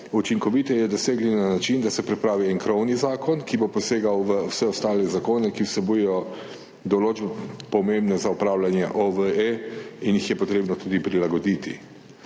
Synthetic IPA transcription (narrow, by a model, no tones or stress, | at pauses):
ut͡ʃiŋkɔʋit̪ɛjɛd̪ɔseːɡlinanat͡ʃind̪asɛpɾɛpɾaːʋiɛŋkɾɔwnizaːkɔnkibopɔseːɡawʋəwsɛɔst̪aːlɛzakoːnɛkiwsɛbujɛjɔ | d̪ɔloːd͡ʒbɛpɔmembnɛzaupɾawlanjɛ̰ʔɔʋəeinjixjɛpɔt̪ɾeːbnɔt̪uːd̪ipɾilaɡɔd̪iːt̪i